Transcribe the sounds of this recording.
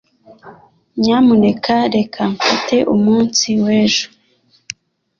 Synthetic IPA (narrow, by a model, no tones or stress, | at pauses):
ɲamune̞kʰaɾe̞kʰaɱfitʰe̞ʔumuːnsiweːʒu̥